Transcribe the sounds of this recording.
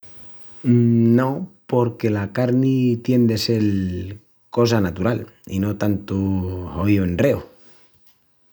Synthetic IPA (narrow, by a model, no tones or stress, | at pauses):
no̞po̞ɾke̞lakaɾnit̪je̞nd̪e̞se̞l | ko̞s̬anat̪uɾalḭno̞t̪ant̪uojoenre̞o